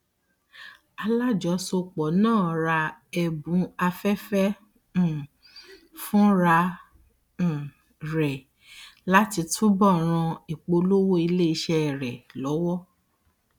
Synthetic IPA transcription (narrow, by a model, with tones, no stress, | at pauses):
a˧la˦d͡ʒɔ˨˦so˧k͡pɔ˨nãː˦˨ɾa˧ɛ˨bũ˨˦a˧fɛ˦fɛ̃˦˨ | fũ˦ɾa˧˨ | ɾɛ˨ | la˦ti˧tʰũ˦bɔ˦˨ɾ̃ã˧i˨k͡po˧lo˦wo˦i˧le˦i˧ʃɛ˧˨ɾɛ˨lɔ˨˦wɔ˦